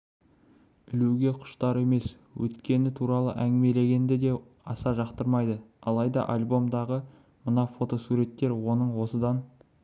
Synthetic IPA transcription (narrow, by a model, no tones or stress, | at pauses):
ɪluɡʲe̞qʰʊ̥ʃt̪ɑɾe̞me̞s | wɵ̰t̪kʲe̞nɪt̪ʰuɾɑlˠə̰ʔæŋɡʲɪme̞le̞ɡʲe̞nd̪ɪd̪e̞ | ɑsɑʒɑqt̪əɾmɑjd̪əɑ̰lˠɑjd̪ɑ̰ʔalʲbo̞md̪ɑʁə | mənɑfo̞t̪o̞suɾe̞t̪ːe̞ɾwo̞nəɴwo̞səd̪ɑn